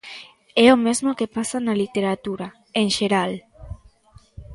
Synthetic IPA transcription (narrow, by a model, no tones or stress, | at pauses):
ɛomezmokepasanalit̪eɾat̪uɾa | eŋʃeɾal